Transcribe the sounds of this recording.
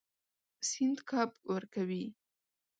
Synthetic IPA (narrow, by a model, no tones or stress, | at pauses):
sɪnd̪kʰɑpwəɾkawi